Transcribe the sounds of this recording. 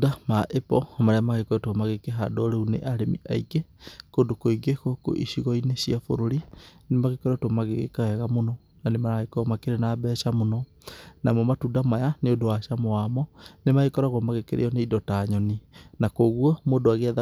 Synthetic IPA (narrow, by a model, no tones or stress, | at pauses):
damaʔepɔmaɾeamaɣekɔɾɛtoɔmaɣekeɦa̰doɾeunḛʔaɾemḭʔa̰ikekodokoiɡekoko̰ʔḭʃiɣɔinesiafo̰ɾoɾinemaɣekɔɾɛtwomaɣḛɣḛkawɛɣamonɔ | nanemaɾaɣekɔɣɔmakeɾenaːbɛːʃamonɔ | namɔmatudamajaneodowaʃamoamɔnemaɣekɔɾaɣɔmaɣekḛɾḛjɔneidɔtaɲɔninakoɣuɔmoːdoaɣeaða